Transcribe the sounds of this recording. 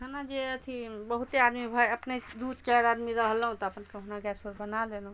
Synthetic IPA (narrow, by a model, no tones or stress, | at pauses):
ɦənad͡ʒeət̪ʰibəɦut̪ead̪mibʱəeəpned̪ut̪t͡ʃaɾad̪miɾəɦlɦũt̪ɔəpənkeɦunaɡɛspəɾbənalenũ